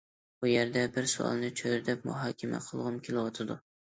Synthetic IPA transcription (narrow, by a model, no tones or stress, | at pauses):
ʊjeɾd̪abɪɾsʊ̰ɒ̰lˠnɪt͡ʃʰojɾd̪ap̚mʊ̰ɦɑːkʲama̰qʰɨlˠʁʊmkʲʰelˠɪwɒt̪ʰad̪ʊ